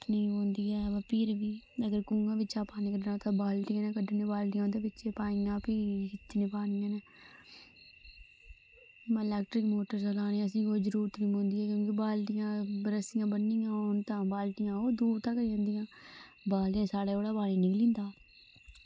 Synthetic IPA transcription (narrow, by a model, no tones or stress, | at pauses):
nĩːɦõːnd̪iːɛːapiːɾʋiːəɡəɾkũːŋɡãːʋɪt͡ʃãːpaːnẽːkəɖnãːt̪ãːbaːlʈiãːnẽːkəɖənẽːbaːlʈɪjãːd̪eːbɪt͡ʃeːpaːijãːpiːɪt̪ːnẽːpaːnɪjãːneː | mːɪlɛːk̚ʈɾɪkmoːʈəɾzalaːneːəs̬ĩːoːd͡ʒəɾuːɾt̪nĩːɦõːnd̪iːɛːkjõːkɪbaːlʈɪjãːɾəsɪjãːbənːiːãːʊnt̪ãːbaːlʈɪjãːoːd̪uːɾt̪ãːkəɾijãːnd̪ijãː | baːlʈijãːsaːɽeːoːɽaːbaːɽiːnɪːlĩːnd̪aː